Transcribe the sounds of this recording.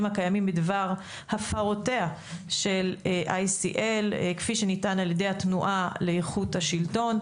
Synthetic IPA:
makajamimbidvaʁ | hafaʁotea | ʃelʔajsḭʔelkfiʃenitanaljede̞jhatnuʔaleeχuthaʃilto̞n

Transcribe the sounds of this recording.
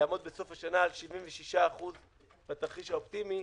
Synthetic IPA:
aːmo̞d̪̚beso̞faʃanaːlʃivimveʃiʃaːχuz | bat̪aχiʃhaopt̪imi

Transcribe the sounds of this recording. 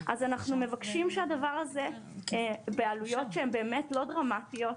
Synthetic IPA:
ʔazanaχnumevakʃimʃeadavaʁaze̞ | bealujo̞tʃeembe̞ːmetlo̞dʁamatijo̞t

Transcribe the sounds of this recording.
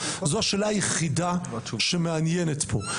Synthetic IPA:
zoaʃeːlaajeχidaʃemeanjenetpʰo̞

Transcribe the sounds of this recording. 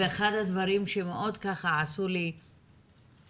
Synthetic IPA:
eeχad̪had̪vaɾimʃemeʔo̞d̪kaχaʕasuli

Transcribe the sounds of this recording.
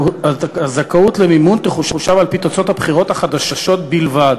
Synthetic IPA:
aazakaut̪lemimunt̪eχuʃuʃavalpit̪ot͡so̞t̪habχiʁo̞t̪haχad̪aʃaʃo̞t̪̚bilvad̪

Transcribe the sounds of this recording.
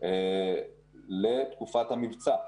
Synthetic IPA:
e | let̪kufat̪hamivt͡sa

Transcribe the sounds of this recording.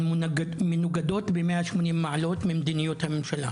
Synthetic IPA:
mnɡmɪnuɡad̪oːt̪bemeːʔaʃmoniːmːaʕaloːt̪mɪmd̪inɪjot̪hamɪmʃala̰

